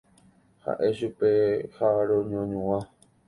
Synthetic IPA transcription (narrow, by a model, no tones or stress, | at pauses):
ha̰ʔe̞ʃupehaɾõɲõɲũwã